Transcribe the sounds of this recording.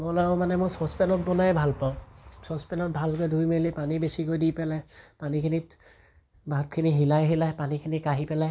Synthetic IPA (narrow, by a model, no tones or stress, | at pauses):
mɔlaɔ̃manɛmʊsɔspɛnɔt̚bɔnajɛbʱalpaʊ̃sɔspɛnɔt̚bʱalk̬ojdʱujmelipanibesikojdipɛlajpanikʰinit | bʱatkʰiniɦilajɦilajpanikʰinikaɦipɛlaj